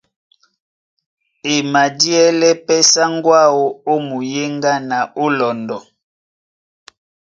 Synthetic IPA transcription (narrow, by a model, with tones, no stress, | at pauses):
e˨ma˨di˦ɛ˦lɛ˦pɛ˦sa˦ŋ˦ɡwa˦wo˦o˦mu˨je˦ŋɡa˦na˨o˦lɔ˨ndɔ˨